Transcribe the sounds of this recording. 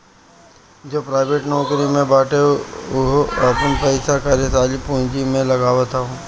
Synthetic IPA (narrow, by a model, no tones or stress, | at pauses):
d͡ʒoːpɾaːɪʋeʈnɔːkɾimẽbaːʈeʊɦoɐpənpəɪsakaɾesaːlipũːɲd͡ʒimẽlɐɡaːʋət̪aɦũː